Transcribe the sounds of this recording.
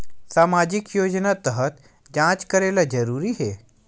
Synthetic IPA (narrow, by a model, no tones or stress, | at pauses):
saːmaːd͡ʒɪkjoːd͡ʒnat̪əɦət̪ | d͡ʒãːt͡ʃkɐɾeːlad͡ʒəɾuːɾiɦeː